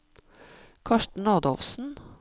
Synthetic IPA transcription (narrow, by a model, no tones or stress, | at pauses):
kʰɑʃʈɳ̩ɑːd̪ɔ̰ʋsn̩